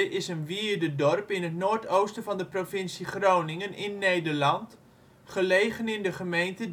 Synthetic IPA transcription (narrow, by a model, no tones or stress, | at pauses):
ʔɪsənʋiədədɔrpɪnətnoːɹtowstəvɑndəprofɪnsiχroːnɪŋənʔɪnːejdərlɑnt | χəlejχənɪndəχəmejntə